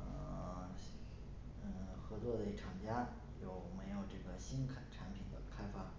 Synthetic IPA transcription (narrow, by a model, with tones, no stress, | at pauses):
ə˥˩ | ə˥˩xɤ˧˥t͡swɔ˥˩d̪ə˩i˥˩ʈ͡ʂʰɑ˨˩ŋt͡ɕja˥ | jo˨˩ʊme˧˥ɪjo˨˩ʊʈ͡ʂɤ˥˩ɡə˩ɕi˥nkʰʈ͡ʂʰa˧˥npʰi˨˩nd̪ə̰˦kʰa˥ɪfa˥